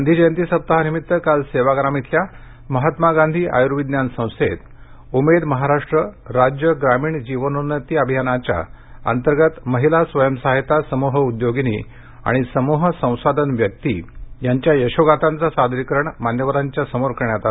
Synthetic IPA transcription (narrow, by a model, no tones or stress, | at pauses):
and̪ʱid͡ʑəjənt̪iːsəp̚t̪aɦanimit̪ːəkalseʋaɡɾamit̪ʰlja | məɦat̪maɡãnd̪ʱiːʔa̰juɾuʋid̪njansə̃w̃set̪ | umed̪məɦaɾaʂʈɾəɾad͡ʑjəɡɾamiːɳd͡ʑiʋənunət̪iːəbʱijanat͡ɕja̰ | ə̰nt̪əɾɡət̪məɦilasʋəjəmsaɦit̪asəmuɦəud̪joɡinḭ | a̰ɽ̃isəmuɦəsə̃w̃sad̪ʱənʋjək̚t̪ḭjaɲt͡ɕjajəɕoɡat̪ãnt͡sasad̪ɾikɾəɳmanjəʋəɾaɲt͡ɕjasəmoɾkəɳjat̪a